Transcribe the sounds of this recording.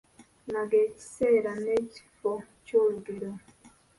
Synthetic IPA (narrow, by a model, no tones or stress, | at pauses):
naɡeci̥sɛɾaneci̥fo | coɾuɡiɾo